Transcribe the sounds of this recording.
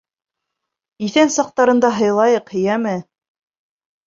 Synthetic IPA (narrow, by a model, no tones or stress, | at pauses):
iθænsɑq̚t̪ɑɾɤ̆nd̪ɑɦɤ̆jlˠɑjɤqhɘ̆jæmɘ